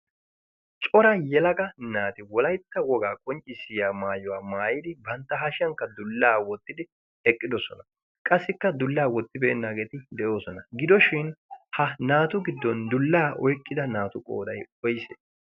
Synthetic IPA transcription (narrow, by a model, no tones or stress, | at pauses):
t͡ʃʼɔɾɐjɛlɐkɐnaːt̪ɪwɔlɐjt̪ːɐwɔɡaːkʼɔnt͡ʃʼːɪsɪjaːmaːjɔwaːmaːjɪd̪ɪbɐnt̪ːɐɦɐʃɐŋkːɐd̪ʊlːaːwɔt̪ːɪd̪ɪ | ɛkʼːɪd̪ɔsɔnɐ | kʼɐsːɪkːɐd̪ʊlːaːwɔt̪ːɪbeːnːaːɡe̞ːt̪ɪd̪ɛʔo̞ːsɔnɐɡɪd̪ɔʃɪnhɐnaːt̪ʊɡɪd̪ːɔnd̪ʊlːaːʔɔjkʼːɪd̪ɐnaːt̪ʊkʼo̰ːd̪ɐjɔjsḛ